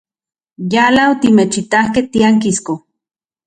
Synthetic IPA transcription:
jalaot̪imet͡ʃit̪ahkeht̪iaŋkisko

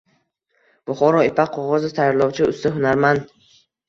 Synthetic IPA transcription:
b̥ʊχɔɾɔipʰaqʰːɔʁɔzɪt̪ʰajɾlˠɒwt͡ʃʰiʊst̪ɪɦunaɾmand̪

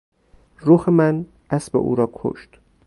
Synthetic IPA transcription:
ɾuːhemæn | ʔæsbḛʔṵːɾɒːkʰo̰ʃt̪

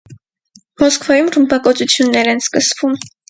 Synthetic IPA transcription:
mɔskvɑjumrəmbɑkɔt͡sut͡sʰjunːɛɾɛnskəsvum

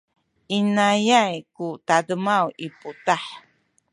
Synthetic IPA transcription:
ʔinajajkutadəmawiputaħ

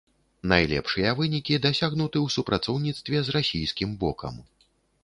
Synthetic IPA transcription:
najlʲɛ̰pʂɨjɐvɨnʲikʲid̪asʲaɣnut̪ɨwsupɾat̪sɔwnʲit̪st̪vʲɛzrasʲijskʲimbɔ̰kʰɐ̰m

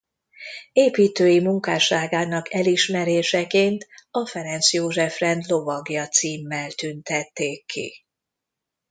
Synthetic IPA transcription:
eːpiːt̪øːjimuŋkaːʃaːɡaːnɒkʰɛliʃmɛɾeːʃɛkeːnt̪ɒfɛɾɛnt̪sjoːʒɛfrɛnd̪lo̞vɒɡjɒt̪siːmːɛlt̪ynt̪ɛt̪ːeːkʰːḭ

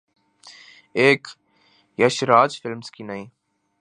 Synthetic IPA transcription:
eːk | jɐʃɾaːd͡ʒfɪlmskiːnaĩː

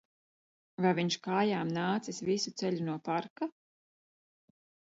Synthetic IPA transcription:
vajviɲʃkaːjaːmnaːt̪sisvisut̪sɛʎunuɔpaɾka

